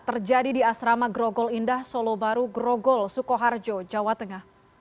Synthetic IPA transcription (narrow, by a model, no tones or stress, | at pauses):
t̪ərd͡ʒadidiasɾamaɡɾoɡɔlindahsolobaɾuɡɾɔɡɔlsukoɦard͡ʒod͡ʒawat̪əŋah